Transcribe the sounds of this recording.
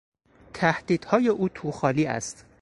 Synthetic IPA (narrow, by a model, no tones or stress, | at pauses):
t̪ʰæhd̪̥iːd̪̥hɒːje̞ʔuːt̪ʰuxɒːliːæ̰st̪